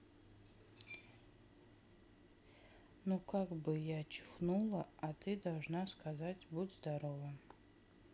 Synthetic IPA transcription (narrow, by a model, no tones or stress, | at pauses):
nukʰakbɨjaːt͡ʃʰχnulˠɐatʰɨdalˠʐnaskʰazatʲbutzdaɾova